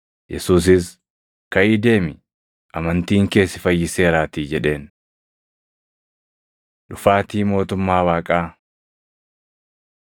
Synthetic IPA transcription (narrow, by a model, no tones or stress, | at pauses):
jɛ̰suːs̬ɪs | kɐʔiːd̪e̞ːmɪ | ʔɐmɐnt̪iːŋke̞ːsːɪfɐjːɪse̞ːɾaːt̪iːd͡ʒɛᶑe̞ːn | ᶑʊfaːt̪iːmo̞ːt̪ʊmːaːwaːkʼaː